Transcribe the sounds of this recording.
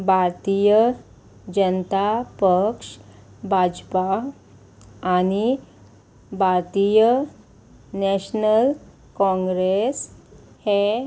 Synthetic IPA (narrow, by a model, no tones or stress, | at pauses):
bʱaɾt̪ijə | d͡ʑənt̪apəkʂbʱad͡ʑpa | ñi | bʱaɾt̪ijə | nɛɕnəl | kɔ̃ŋɡɾes | he